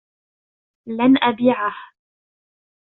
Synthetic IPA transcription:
lanʔabiːʕah

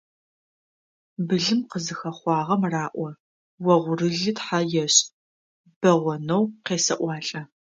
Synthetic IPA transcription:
bɨɮɨmqəzɨxɐχʷɑːʁɐmraːʔʷɔ | wɐʁʷʊrɨɮɨtħajɛɕ | b̥ɐʁʷɔnɐwqeːsɐʔʷɑːɬʼɐ

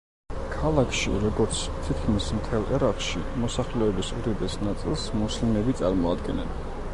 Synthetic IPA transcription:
kʰalˠakʰʃḭɾɔɡɔɾt̪sʰt̪ʰit̪̚ʰkʰmismt̪ʰɛlˠʔɛɾaqʃḭmɔsaχlɛɛbisṵɾɛb̪ɛsnat̪sʼilˠsmuslimɛbit̪sʼaɾmɔad̪ɡɛnɛn

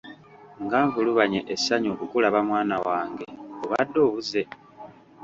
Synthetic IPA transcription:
ŋɡaːɱvuluβaɲeʔesaɲoːkukulaβamwaːnawaːŋɡe̞oβadːo̞ːβuze̞

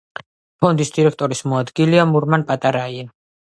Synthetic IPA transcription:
pʰɔnd̪isd̪iɾɛkʰt̪ʼɔɾismɔad̪ɡiliamuɾmanpʼat̪ʼaɾaian

